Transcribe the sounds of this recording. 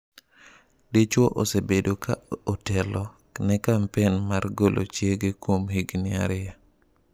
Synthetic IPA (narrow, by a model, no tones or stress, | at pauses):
dit͡ʃwɔʔosebedokʰa̰otɛlɔ | nɛkampɛnmarɡolʔo̰t͡ʃjeɡekwomhiɡnɪa̰ɾɪja